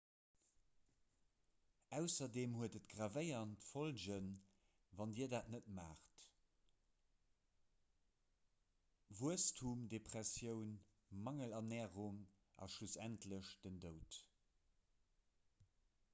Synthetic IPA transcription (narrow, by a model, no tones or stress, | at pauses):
æʊsɐdeːmhuətətɡ̥ʁavəɪɐntfolʑən | vɑndiːɐdaːtnətmaːχt | vuəstʰumdepʁ̥æsjəʊn | mɑŋəlɑnɛːʁuŋ | ʔɑ̰ʃlusæntʰləɕd̥əndəʊt